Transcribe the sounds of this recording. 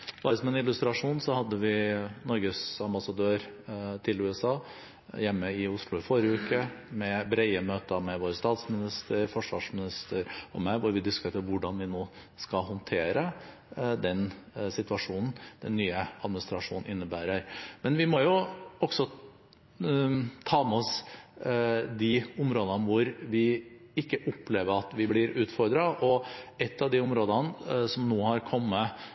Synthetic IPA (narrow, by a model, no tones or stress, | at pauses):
b̥ɑəsɔmɛnɪlʉst̪ɾɑʂuːnsɔhɑd̪ːəʋɪnɔɾɡəsɑmbɑsɑd̪øːɾt̪ʰɪlʉːɛsɑː | jɛmːəɪʊslʊɪfɔɾjəʉːkəmɛbɾɛɪəmøːt̪əmɛʋoːɾəst̪ɑːt̪smɪnɪst̪ʰəɾfɔʂʋɑːʂmɪnɪst̪əɾɔ̰mæɪʋʊɾʋɪd̪ɪskt̪ʰeːt̪ɾʋʊɖɑnʋɪnoː | skɑɦɔnt̪ʰeːɾə | d̪ɛnsɪt̪ʉɑʂuːnn̩d̪̥ɛnːyːəɑd̪mɪnɪst̪ɾɑʂṵːnn̩ʔɪnːəbæːɾəɾmɛnʋɪmɔjʊɔɡ̥sɔ | t̪ʰɑːmɛɔs | d̪ɪʊmɾoːd̪ənʋʊɾʋɪ | ɪkːəʔʊpːleːʋəɾɑt̪ʋɪblɪɾʉːt̪fɔɾd̪ɾɑʔɔɛt̪ːɑʋd̪ɪʊmɾoːd̪ənsɔmnoːhɑɾkʰɔmːə